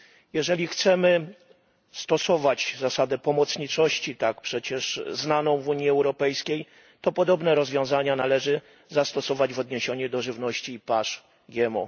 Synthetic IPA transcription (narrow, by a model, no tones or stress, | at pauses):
jɛʐɛlʲixt̪sɛmɘ | st̪ɔsɔvad͡ʑzasad̪ɛpɔmɔt̪sɲit͡ʂɔɕt͡ɕit̪ak̚pʂɛt͡ɕɛʂznanɔ̃w̃vuɲjiɛwɾɔpɛjskʲej | t̪ɔpɔd̪ɔbnɛɾɔzvʲjɔ̃w̃zaɲanalɛʐɘ | zast̪ɔsɔvad͡ʑvɔd̪ɲeɕɔɲɛd̪ɔʐɘvnɔɕt͡ɕipaʂ | ɡʲjɛmɔ̰